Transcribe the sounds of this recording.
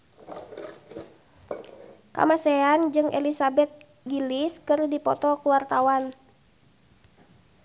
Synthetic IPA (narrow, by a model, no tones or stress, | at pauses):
ka̰masɛand͡ʒɨŋʔɛ̰lisabɛt̪̚ | ɡiliskɨrdipɔt̪ɔkuwart̪awan